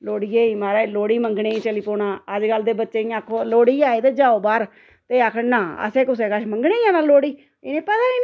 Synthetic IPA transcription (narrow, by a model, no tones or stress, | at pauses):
loːɽiːeːiːmaːɾaːloːɽiːməŋɡɳeːiːt͡ʃəliːpoːɳãːəd͡ʒɡəld̪eːbətːʃeːĩːaːkʰːoːloːɽiːaːeːt̪eːd͡ʒaːoːbaːɾ | t̪eːaːkʰənãːə̰sẽːkʊs̬eːkəʃməŋɡneːjãːnaːloːɽiː | ɪnẽːpət̪aːiː